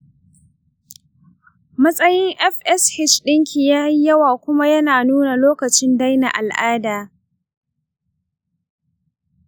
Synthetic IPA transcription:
mɐ˦sʼɐ˦jɪ˦ŋʔɛ˦ɸʔɛ˦shɪ˦t͡ʃɗɪ˦ŋkʲʰi˨jaː˦i˦jɐ˦waː˨kʷʊ˦ma˦jɐ˦naː˨nuː˦na˨loː˦kɐ˨t͡ʃɪ˦nda˦jna˨ʔa˨lʔaː˦daː˨

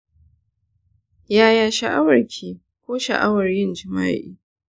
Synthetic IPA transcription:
jaː˦jaː˨ʃa˨ʔa˦wɐ˨rkʲʰiː˨ | kʷoː˦ʃɐ̰˨ʔa˦wɐ˨rjɪ˦˨nd͡ʒɪ˨ma̰ː˦ʔḭː˦

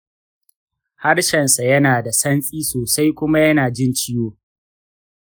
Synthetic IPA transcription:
ha˦rʃɐ˨nsa˨jɐ˦naː˨da˨sɐ˦nsʼiː˦soː˨sa˦jkʷʊ˦ma˦jɐ˦naː˨d͡ʒɪ˦nt͡ʃɪ˦joː˦

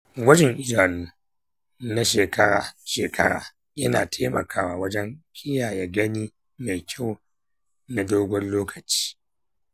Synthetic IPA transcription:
ɡʷɐ˦d͡ʒɪ˨ŋʔɪ˦d͡ʒaː˨nuː˦ | na˦ʃeː˨kɐ˦ɽa̰ː˨ʃeː˨kʰɐ̰˦ɽa̰ː˨ | jɐ˦na̰ː˨tʰeː˦mɐ̰˨kʰaː˦waː˨wɐ˦d͡ʒɛ˦ŋkʲɪ˦jaː˨jaː˨˦ɡɐ˦niː˦ | ma˨jkʲʰa˦˨w | na˨doː˦ɡʷɔ˦nloː˦kʰɐ˨t͡ʃi̥ː˦

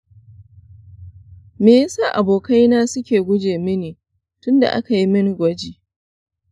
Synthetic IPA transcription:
meː˨ja˦saː˦ʔa˨boː˨ka˦jnaː˦sʊ˦kʲeː˨ɡʷʊ˦d͡ʒeː˨mɪ˦neː˨ | tʊ˦nda̰˨ʔa̰˦ka˨ji˦mɪ˦ŋ˨ɡʷɐ˦d͡ʒiː˨

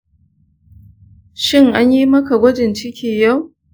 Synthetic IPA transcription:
ʃɪ˦˨ŋʔa˦ɲjiː˦mɐ˦ka˨ɡʷɐ˦d͡ʒɪ˨nt͡ʃɪ˦kʲʰiː˨ja˦˨w

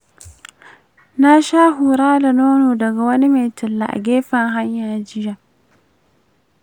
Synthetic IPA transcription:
na˦ʃaː˦ɦu˨ɾaː˦da˨noː˦noː˨dɐ˨ɡa˨wɐ˦ni˦ma˨jtɪ˨lːa̰˨ʔa̰˨ɡʲeː˦ɸɐ˨ŋɦa˦ɲjaː˨d͡ʒɪ˦ja˨

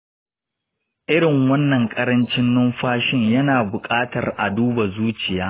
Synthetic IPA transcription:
ʔɪ˦ɽɪ˨ŋwɐ˦nːɐ˨ŋkʼɐ˦ɾɐ˦nt͡ʃɪ˦nːʊ˦mɸaː˦ʃɪ˦ɲjɐ˦naː˨bʊ˨kʼaː˦tɐ˨rʔa˨duː˦ba˨zuː˦t͡ʃɪ˨jaː˦

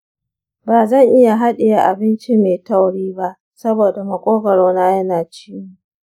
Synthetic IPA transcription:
baː˨zɐ˦˨ŋʔɪ˦ja˨ɦa˦ɗɪ˨ja˨ʔa˨bɪ˦nt͡ʃi˦meː˨ta˦˨wɽiː˦ba˦ʔ | sɐ˦boː˨da˨mɐ˨kʷʼoː˦ɡɐ˨ɽoː˦naː˦jɐ˦naː˨t͡ʃiː˦mu˦

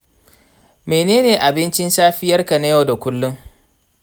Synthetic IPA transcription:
meː˨neː˦neː˨ʔa˨bɪ˦nt͡ʃɪ˦nsaː˦ɸɪ˦jɐ˦rka˨na˦ja˦˨da˨kʷʊ˦lːʊ˦ŋ

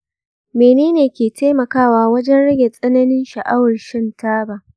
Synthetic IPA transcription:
meː˨neː˦neː˨kʲeː˨teː˦mɐ˨kaː˦waː˦wɐ˦d͡ʒɛ˦nɽɐ˦ɡʲe˨sʼɐ˦nɐ˦nɪ˦nʃɐ˨ʔa˦wɐ˨rʃɪ˦ntaː˦baː˨ʔ

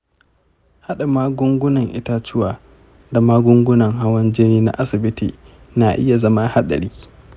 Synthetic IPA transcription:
ha˦ɗa˨maː˦ɡʷʊ˦ŋɡʷʊ˦nɐ˨ŋʔɪ˦ta˦t͡ʃɪ˦waː˨ | da˨maː˦ɡʷʊ˦ŋɡʷʊ˦nɐ˨ŋɦa˦wɐ˦nd͡ʒɪ˦niː˦na̰˦ʔa˦sɪ˨bɪ˦tiː˨ | na˨ʔɪ˦ja˨zɐ˦ma˦ha˦ɗɐ̰˨ɽiː˦

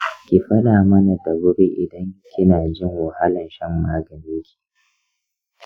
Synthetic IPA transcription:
kʲiː˨ɸɐ˦ɗaː˨mɐ˦na˨dɐ˨ɡʊ˦be˦ʔɪ̰˨dɐ˦ŋkʲɪ˦naː˨d͡ʒɪ˦˨ŋwa˨ha˦lɐ˨nʃɐ˦mːaː˦ɡɐ˨ɾeː˦kʲi̥˨

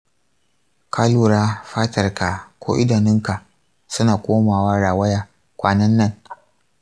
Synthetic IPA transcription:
kʰaː˦luː˨ɾaː˦ɸaː˦tɐ˨rka˨kʷo̰ː˦ʔɪ˦da˨nɪ˦ŋka˨ʔ | sʊ˦naː˨kʷoː˦maː˨waː˦ɽaː˨wɐ˦jaː˨ | kʷaː˦nɐ˦nːɐ˦˨n

